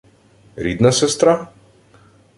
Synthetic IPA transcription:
ɾid̪nasɛst̪ɾa

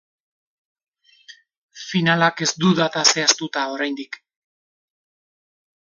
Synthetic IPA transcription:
finalake̞zd̪uðat̪ase̞ast̪ut̪ao̞ɾajnd̪ik

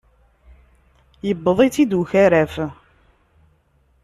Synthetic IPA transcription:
jəbːəðˤit͡sid̪uçæɾæf

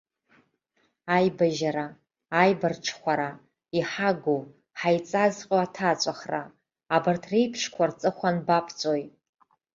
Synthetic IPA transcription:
ajbaʒaɾaː | jbarʈ͡ʂʰχʷaɾa | iħaɡo | ħajt͡sʼazqʲʼoatʰat͡ɕʷʼaχra̰ː | bartʰrejpʰʂkʷʰart͡sʼɨχʷanbapʰt͡sʼojtʼ

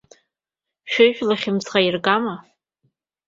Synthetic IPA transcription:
ʃᶣɪʒᶣʼlaχʲɪmt͡sʁairɡama

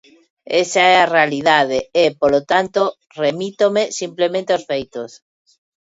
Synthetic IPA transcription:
esaɛarealiðað̞eepolot̪ant̪o | remit̪omesimplemẽnt̪eosfejt̪os

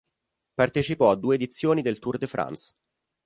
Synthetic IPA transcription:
part̪et͡ʃipɔad̪ːuːeːd̪it̪sːjoːnid̪elt̪urd̪efɾa̰ns

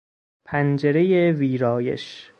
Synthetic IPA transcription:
pʰænd͡ʒeɾejeviːɾɒːjḛʃ

